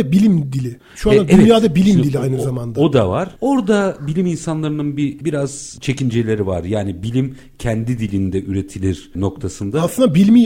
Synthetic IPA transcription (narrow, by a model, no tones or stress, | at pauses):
bilʲimd̪ilʲɪ | ʃuand̪aɛvɛnjaːd̪abilʲimd̪ilʲiajnɯzamand̪aod̪avaɾ̥o̞ɾd̪abilʲiminsanlˠaɾɯnɯnbibiɾaz̥t͡ʃʰe̞cind͡ʒelʲe̞ɾivaɾjaːnibilʲim | cʰɛnd̪id̪ilʲind̪ɛʔyɾe̞t̪ʰilʲiɾ | no̞kt̪ʰasɯnd̪asˠɯnd̪abilʲmi